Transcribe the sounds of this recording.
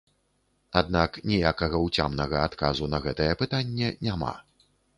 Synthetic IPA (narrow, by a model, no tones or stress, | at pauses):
ad̪naknʲijakɐɣɐwt͡sʲamnɐɣɐat̪kazunɐɣɛt̪ɐjɛpɨt̪anʲːɛnʲama̰